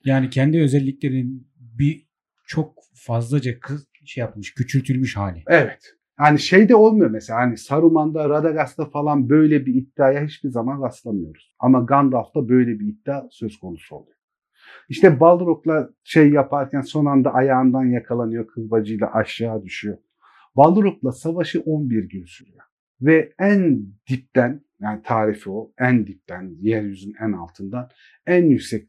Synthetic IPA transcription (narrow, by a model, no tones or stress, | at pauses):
jaːnicʰɛnd̪iø̞zɛlʲːiclʲe̞ɾin | bi | t͡ʃʰo̞k̚ | fazlˠad͡ʒakʰɯz | ʃejapmɯʃcyt͡ʃʰylʲt̪ʰylʲmyʃhaːlʲɪevɛt̪ | haːniʃejd̪ɛo̞lˠmujo̞ɾmeselʲaːɦanisaɾumand̪aɾad̪aɡast̪afalˠanbø̞jlʲɛbiit̪ːaːjaɦit͡ʃbiɾzamanɾaslˠamɯjo̞ɾuz̥a̰maɡand̪alˠft̪abø̞jlʲɛbiit̪ːaːsø̞z̥kʰo̞nusuo̞̰lˠujo | iʃt̪ɛbalˠɾoklˠa | ʃejjːapʰaɾcʰænso̞nand̪aʔajaːɯnd̪anjakʰalˠanɯjo̞kʰɯlbad͡ʒɯjlˠa̰ʔaʃːaːd̪yʃyjo̞ | balˠɾoklˠasavaʃɯʔo̞nbiɾɟynsyɾyjo | vɛænd̪̥ip̚t̪æn | jaːnit̪ʰaːɾifio̞ænd̪ip̚t̪ʰænjæɾjyzynænalˠt̪ʰɯnd̪an | ænjycsɛc